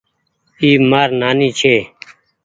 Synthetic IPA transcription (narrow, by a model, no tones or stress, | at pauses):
iːmaːɾnaːniːt͡ʃʰeː